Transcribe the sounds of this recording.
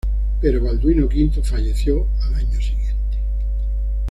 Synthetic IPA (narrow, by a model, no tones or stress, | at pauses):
peɾoβald̪winokint̪ofaʎeθjo | alaɲosiɣjent̪e̥